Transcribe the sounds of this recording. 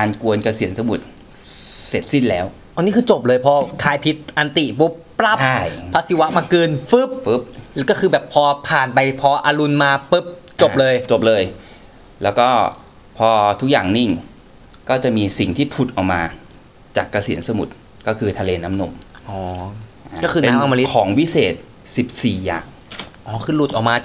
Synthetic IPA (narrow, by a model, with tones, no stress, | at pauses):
kaː˧nku˧ənka˧si˨˩˦ənsa˧mu˨˩t̪̚ | se˨˩t̪̚si˥˩nlɛː˦˥w | ʔa˧niː˦˥kʰɯː˧t͡ɕo˨˩p̚lɤː˧jpʰɔː˧kʰaː˧jpʰi˦˥t̪̚ʔa˧nt̪i˨˩po˦˥pːɾa˦˥˩pt͡ɕ̚ʰa˥˩jpʰa˦˥si˨˧˦wa˦˥maː˧kɯː˧nfɯ˦˥p̚fɯ˦˥p̚kɔː˥˩kʰɯː˧bɛː˨˩pʰːɔː˧pʰaː˨˩npa˧jpʰɔː˧ʔa˧lu˧nmaː˧pɯ˦˥p̚t͡ɕo˨˩p̚lɤː˧jt͡ɕo˨˩p̚lɤː˧j | lɛː˦˥wkɔː˥˩ | pʰɔː˧t̪ʰu˦˥k̚jaː˨˩ŋni˥˩ŋ | kɔː˥˩t͡ɕa˨˩miː˧si˨˩ŋt̪ʰiː˥˩pʰu˨˩t̪̚ʔa˨˩maː˧ | t͡ɕaː˨˩kːa˧si˨˩˦nsa˧mu˨˩t̪̚ | kɔː˥˩kʰɯː˧t̪ʰa˧leː˧na˦˥mno˧mʔɔː˩˦ʔa˧˩kɔː˥˩kʰɯː˧ne˧na˧ma˧li˦˥kʰɔː˩˦ŋwi˦˥seː˨˩t̪̚ | si˨˩p̚siː˨˩ja̰ː˨˩ŋ | ʔɔː˨˩kʰɯː˧lu˨˩t̪̚ʔɔ˨˩kmaː˧